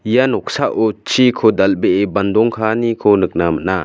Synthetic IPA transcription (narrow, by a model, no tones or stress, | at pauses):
ijanɔk̚saʔɔt͡ʃʰikʰɔd̪albeʔeband̪ɔŋkʰanikʰɔnɯk̚naməna